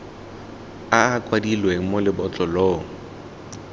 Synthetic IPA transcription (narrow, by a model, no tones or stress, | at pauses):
aːkʼwadilweŋ̩molɪbɔt͡ɬʼɔlɔːŋ̩